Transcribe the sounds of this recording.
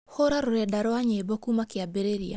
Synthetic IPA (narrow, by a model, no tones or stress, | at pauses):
hoɾaɾoɾɛdaɾɔaɲebɔkumakɪabeɾeɾia